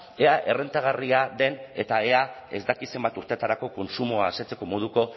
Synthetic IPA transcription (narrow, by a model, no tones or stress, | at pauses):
e̞aʔe̞re̞nt̪aɣ̞ariaðe̞ne̞t̪ae̞ae̞̰zd̪akise̞mbat̪uɾt̪e̞t̪aɾako̞ko̞nsumoaːset͡se̞̥ko̞mo̞ð̞uko̞